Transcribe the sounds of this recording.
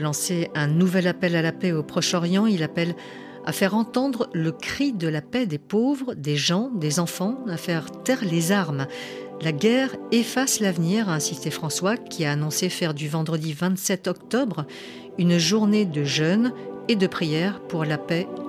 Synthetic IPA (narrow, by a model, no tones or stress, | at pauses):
lɑ̃seɛ̃nuvɛlapɛlalapɛopχɔʃɔʁjɑ̃ilapɛl | a̰fɛʁɑ̃t̪ɑ̃d̪ʁələkχid̪əlapɛd̪epovʁəd̪eʒɑ̃d̪ezɑ̃fɑ̃afɛʁt̪ɛʁlezaʁm | laɡʲɛʁefaslavniʁaɛ̃sist̪efχɑ̃swakʲʰiaːnɔ̃sefɛʁd̪yvɑ̃d̪ʁəd̪ivɛ̃t̪sɛt̪ɔkt̪ɔbʁ | ynʒuʁned̪əʒœned̪əpχijɛʁpuʁlapɛ